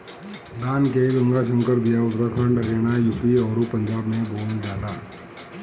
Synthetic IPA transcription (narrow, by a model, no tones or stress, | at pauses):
d̪aːnkeɡɐ̃ŋɡaʃə̃ŋkəɾd̪ijaʊt̪ɾakʰəɳɖɾeːnajuːpiɔːɾupɐ̃ɲd͡ʒaːbmẽboːnd͡ʒaːd̪aː